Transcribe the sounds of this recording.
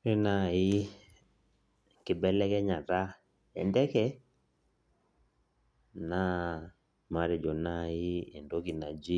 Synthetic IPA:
ɾe˦na˦˨i˦ | kɪ˨bɛ˦lɛ˦kɛ˦ɲa˨ta˦ | ɛ̰˨ndɛ˦kɛ˦ | na˦ | ma˨˦ɾe˨d͡ʒo˨na˦i˦e˨ndo˦ɡi˨na˨d͡ʒi˦

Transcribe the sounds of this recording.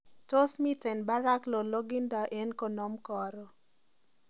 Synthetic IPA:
to˦smi˦tɛ˨nba˦ɾa˦klo˨lo˦ɡi˦nda˨ʔe˦nko˨nɔ˦mkɔ˨ɾɔ˨

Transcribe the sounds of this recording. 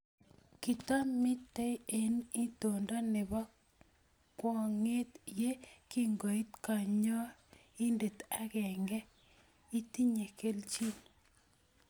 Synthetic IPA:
ki˨t̪a˦mɪ˦tːe˦e˨ni˦to˨nda˦nɪ˨bɔ˦ | kwɔ˨ŋe˦t̪je˦ki˦ŋɡo˨i˦t̪ka˨ɲɔ˦ | i˦nde˨t̪a˦kɛ˨ŋɡɛ˦ | i˦ti˦ɲe˨ke˦lt͡ʃi˦n

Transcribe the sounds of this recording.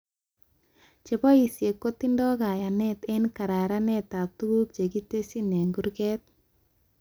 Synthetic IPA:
t͡ʃe˨bɔ˦i˨sje˨kːo˦t̪ːi˦ndɔ˦ɡa˨ja˨nɛ˦t̪e˦nka˨ɾa˨ɾa˦ne˦t̪a˨k̚t̪u˦ɡu˦k̚t͡ʃe˨ɡi˦te˦si˦ne˨ŋɡu˦ɾke˦t̪̚

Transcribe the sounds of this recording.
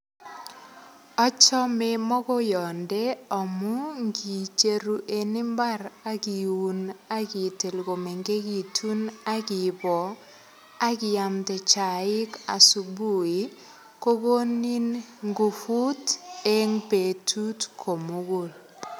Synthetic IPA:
ɔ˦t͡ʃɔ˦me˦mɔ˦ɡɔ˦jɔ˨ndɛ˦ɔ˨mu˦ŋɡi˨t͡ʃe˨ɾu˨ʔe˨nɪ˦mba˦ɾa˦ɡi˨wu˦na˦ɡɪ˨te˨lɡo˨me˨ŋɡe˦ɡi˨tʰu˦na˦ɡɪ˨bɔ˨ | a˦ɡɪ˦ja˨mtɛ˨t͡ʃa˨ɪ˦ka̰˨su˨bu˦˨i˨ | ko˦ɡo˦ni˦nŋɡu˨fu˦te˦ŋpe˨tʰu˦tkʰo˨mu˦ɡo˨l

